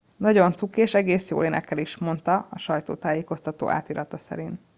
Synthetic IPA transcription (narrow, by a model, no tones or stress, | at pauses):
nɒɟo̞nt̪sukeːʃɛɡeːsjo̰ːleːnɛkːɛliʃmo̞nt̪ɒɒʃɒjt̪oːt̪aːjeːko̞st̪ɒt̪o̰ːʔa̰ːt̪iːɾʔɒt̪ɒsɛ̰ɾin